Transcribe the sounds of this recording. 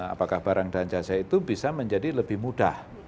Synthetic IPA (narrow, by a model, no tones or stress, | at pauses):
a̰pakahb̥aɾaŋdaɲt͡ʃasait̪ubisaməɲd͡ʒadiləbɪhmuda̰h